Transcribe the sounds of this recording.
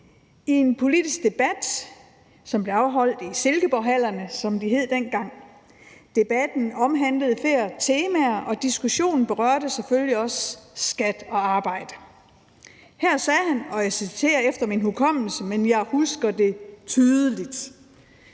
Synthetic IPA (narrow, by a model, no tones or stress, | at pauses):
ie̝npʰo̝lid̥isɡ̥̚d̥e̝b̥æd̥ | sɒ̽mb̥le̝ɑ̈ʊɦɒ̽l̰d̥ise̝lɡ̥əb̥ɒɦæl̰ɐnəsɒ̽md̥iɦe̝ð̰ˠd̥enɡ̥ɑ̈ŋ̰ | d̥e̝b̥æd̥n̩ɒ̽mɦænləð̞̩ˠfe̝ɐ̰t͡sʰe̝ːmæɐʔɒ̽d̥isɡ̥uɕo̝̰ːnn̩b̥e̝ʁɶ̰ɐd̥əseføljiɒ̽ssɡ̥æd̥ɒ̽ɑ̈ːb̥ɑ̈ɪ̰d̥ə | hæɐ̰sɛːɦænɒ̽esit͡sʰe̝̰ːɐefd̥ɐminɦukʰɒ̽m̰l̩səmenjɑ̈ɪhusɡ̥ɐde̝t͡sʰyːðˠəlid̥